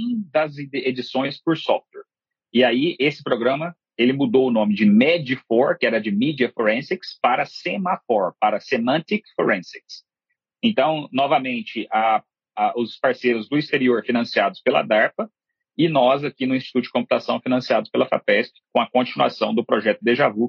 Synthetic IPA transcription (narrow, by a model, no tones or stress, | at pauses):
ũd̪ɐzed͡ʒisõj̃spʊɾsɔft̪̚wɛɾ | ɪaiʔesɪ̥pɾoɡɾɐ̃mɐ | elɪmud̪owʊnõmɪd͡ʒɪmɛd͡ʒifɔɾkɪɛɾɐd͡ʒɪmid͡ʒiɐfoɾẽsekspaɾɐsemafɔɾpaɾɐsemɐ̃t̪ikfoɾẽseks | ẽnt̪ɐ̃w̃nɔvɐmẽnt͡ʃɪʔa | aʊspaɾseɾʊzd̪ʊist̪eɾioɾfinɐ̃siad̪ʊspelɐ̰d̪aɾfɐ | ɪnɔzakinʊĩst͡ʃi̥t̪ut̪ʊd͡ʒɪkõpu̥t̪asɐ̃w̃finɐ̃siad̪ʊspelɐfa̰pɛst͡ʃɪ̥kõw̃ɐkõt͡ʃinua̰sɐ̃w̃d̪ʊpɾoʒɛt̪ʊd̪ɪʒavu